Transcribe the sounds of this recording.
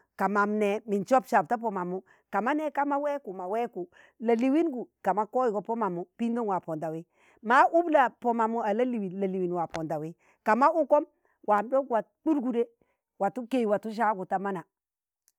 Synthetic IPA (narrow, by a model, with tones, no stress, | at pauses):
ka˨ma˨mnɛ˨mi˨nt͡ʃɔ˦pʃa˨b̚ta˦p̬ɔ˨ma˨mu˦ | ka˨ma˦nɛ˦ka˦ma˦wɛ˦ku˨ma˨wɛ˦ku˨ | la˨li˨wi˦nɡu˨ka˨ma˦kɔ˦ji˨ɡɔ˨pɔ˦ma˨mu˨˦pi˦ndo˦nwa˨pɔ˨nda˨wi˦ | ma˦ʔu˦bla˨pɔ˨ma˨mu˦a˨la˦li˨wi˨la˨li˨wi˨n˨wa˨pɔ˨nda˨wi˦ | ka˨ma˦u˦kɔ˦m | wʔa˨mdɔ˦kwa˨k͡pu˦ɾɡu˨de˦ | wa˨tu˦ke˨jwa˨tu˦ʃ̬a˦ɡu˨ta˨ma˦na˨